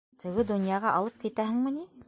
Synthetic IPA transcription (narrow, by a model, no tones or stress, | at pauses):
t̪ʰɘ̆ɡɘd̪ŏnjɑʁɑʔɑlˠɤp̚kit̪æɦɘ̆ŋmɘ̆ni